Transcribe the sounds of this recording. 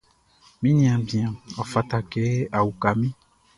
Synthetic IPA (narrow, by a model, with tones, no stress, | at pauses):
mĩ˦ɲĩ˨ã˨bĩ˨ã˨ɔ˨fa˨t̪a˨ke˦a˨wu˨ka˨mĩ˦